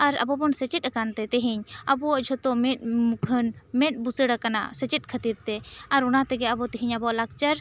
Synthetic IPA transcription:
aɾa̰bɔbɔnsət͡ʃɛt̪̚ˀakant̪ɛt̪ɛɦɛɲabɔwaʔd͡ʒʱɔt̪ɔmɛt̪̚mukʰənmɛt̪̚busəɽakana̰sət͡ʃɛt̪̚ˀkʰət̪iɾt̪ɛaɾunat̪ɛɡɛabɔt̪ɛɦiɲabɔalak̚t͡ʃəɾ

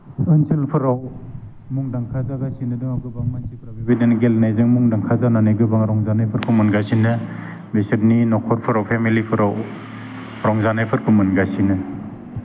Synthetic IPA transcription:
ɯnsʰelpʰɯɾaw | muŋdaŋkʰazaɡasinɯdɯŋaɡɯbaŋmansʰikʰɾabibidenɡelnajzɯŋmuŋdaŋkʰazananajɡɯbaŋɾɔŋzanajpʰɯɾkʰumɯnɡasinɯ | besit̚ninɔkʰɔɾpʰɯɾawpʰemilipʰɯɾaw | ɾɔŋzanajpʰɯɾkʰumɯnɡasinɯ

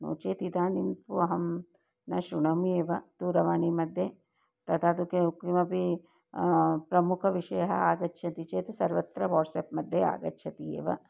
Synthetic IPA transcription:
no̰ːt͡ʃeːt̪id̪aːnimp̪uɐɦɐm | nɐʃuɳɐmeːʋɐt̪uːɾɐʋaːnimɐd̪ʱje | t̪ɐt̪ʰaːt̪ukeukimɐpi | pɾɐmukʰɐʋiʂɐjɐɦɐaːɡɐtːʃʰɐt̪it͡ʃeːt̪esɐɾʋɐt̪ɾɐʋɔːʈseːpmɐd̪ʱːjea̰ːɡɐtːʃʰɐt̪iḛːʋɐ̰

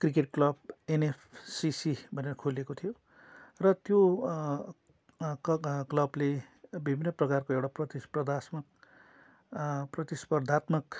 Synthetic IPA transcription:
krik̬eʈ̚klʌb̚enepʰsisibʱʌnerʌkʰulekot̪ʰijo | rʌt̪jo | klʌblebibʱinːʌprʌkarkoewʈaprʌt̪isprʌd̪ʱasmʌk̚ | prʌt̪ispʌrd̪ʱat̪mʌk

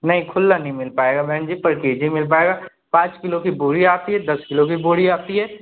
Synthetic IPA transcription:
nɐɦĩkʰʊlːanɐɦĩmɪlpaːeːɡabʱɛːnd͡ʒiːpəɾkeːd͡ʒĩmɪlp̬aːeːɡaː | pãːt͡ʃkɪlokibuːɾiaːp̪iɦɛd̪ɐskɪlokibuːɾiaːt̪iɦɛː

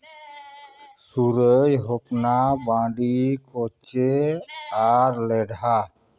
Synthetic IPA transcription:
suɾəjɦɔpnabãɖikɔt͡ʃe | aɾlɛɖa

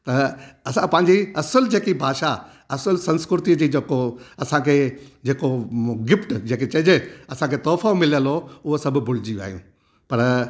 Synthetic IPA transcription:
t̪ɐɐsãpɐ̃ɦɪɲ̆d͡ʑiɐsəld͡ʑeːkibʱaːʃa | ɐsəlsɐ̃nskɾɪɾt̪id͡ʑiːd͡ʑeːkoɐsãkʰeːd͡ʑeːkoɡɪfʈd͡ʑẽːket͡ɕɐɪd͡ʑeɐsãkʰet̪ɔːfamɪljəlɦoʊɦosɐbʱʊbʱʊl̤ɪd͡ʑiʋa̰ːɦijũː | pɐɾ

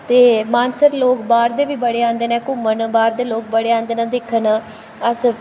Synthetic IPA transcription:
t̪eːmãːnsəɾloːkbaːɾd̪eːʋiːbəɽeːãːnd̪eːnɛ̃ːkʊmənbaːɾd̪eːloːk̚bəɽeːãːnd̪eːnãːd̪ɪkʰːən | əs

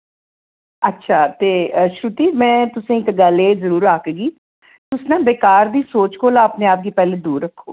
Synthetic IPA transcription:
ətːʃʰaːt̪eːəʃɾʊt̪iːmɛ̃ːt̪ʊsẽːɪkɡəlezəɾuːɾaːkɡiː | t̪ʊsnãːbeːkaːɾd̪iːsoːt͡ʃkoːlãːəpneaːp̚ɡiːpɛːleːd̪uːɾəkʰːo̰ː

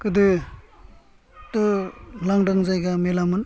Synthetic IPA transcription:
kɯd̪ɯ | tɯlaŋɖaŋzajɡamelamɯn

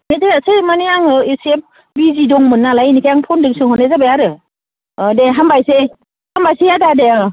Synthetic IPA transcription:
metesɯjmanijaŋɯesep̚ | bizidɔŋmɯnːalajnikʰajaŋpʰɔndɯŋsɯŋhɔnezabajaɾɯ | deɦambajse | hambajsejadadea

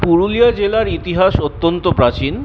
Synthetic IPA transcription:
puɾulijad͡ʑelaɾit̪iɦaʃot̪ːont̪opɾat͡ɕin

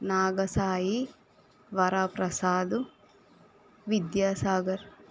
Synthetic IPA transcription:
naːɡɐsaːji | ʋɐɾaːpɾɐsaːd̪u | ʋid̪jaːsaːɡɐɾ

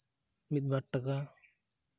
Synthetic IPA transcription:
mit̪̚bʱaʈːaka

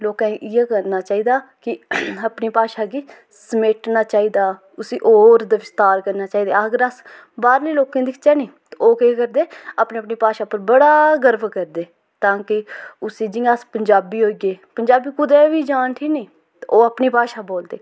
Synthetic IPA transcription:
loːkãːʔɪjaːkəɾnaːt͡ʃaːiːd̪aːkɪapniːpaːʃaːɡiː | səmeːʈnaːt͡ʃaːiːd̪aː | ʊsiːʔoːɾd̪aʋɪst̪aːɾkəɾnaːt͡ʃaːiːd̪aːəɡəɾəs | baːɾliːloːkẽːd̪ɪkʰt͡ʃɛːnĩːt̪oːkeːkəɾd̪eːaːpneːəpniːpaːʃaːpəɾbəɽaːɡəɾbkəɾd̪eː | t̪ãːkɪʊsĩːd͡ʒɪ̃aspəɲd͡ʒaːbiːɦoːiɡeːpəɲd͡ʒaːbiːkʊd̪ɛːʋiːd͡ʒaːnʈʰiːnĩː | t̪ːoːapniːpaːʃaːboːld̪eː

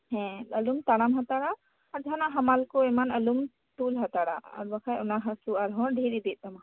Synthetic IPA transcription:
hɛ̃əlumt̪aɽ̃amɦat̪aɽa | aɾd͡ʒanaɦamalkoemanəlum | t̪ulɦat̪aɽa̰a̰ɾbakʰajɔnaɦasuaɾɦɔ̃ɾɖʱiɾid̪it̪̚ama

